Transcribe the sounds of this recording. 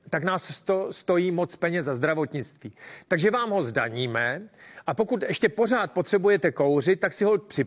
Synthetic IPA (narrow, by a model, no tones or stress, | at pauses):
t̪aknaːsst̪ost̪o̞jiːmo̞t͡spɛɲɛzzazd̪ɾavo̞t̪ɲɪt͡st̪viːt̪aɡʒɛvaːmɦo̞zdaɲiːmɛʔapo̞kut̪ʔɛʃcɛpo̞raːt̪̚pot̪r̥ɛbujɛt̪ɛko̞wr̝ɪt̪̚ːaksɪɦopr̥ɪ